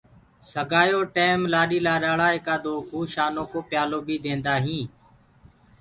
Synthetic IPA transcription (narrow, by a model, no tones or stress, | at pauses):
səɡʱaːjoːʈeːmlaːɗiːlaːɗaːɽaːɦeːkaːd̪oːuːʃaːnõːkoːpjaːloːbʱiːd̪ẽːnd̪aːɦĩː